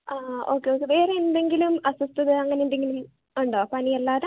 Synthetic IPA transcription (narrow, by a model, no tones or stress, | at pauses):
aːo̞̰ːkːeoːkːeʋeːɾeenɖe̞ŋɡilumɐsɐst̪ɐðɨɐŋːɐneunɖeŋɡilum | uɳɖoːpɐnijɐlːaːðɐ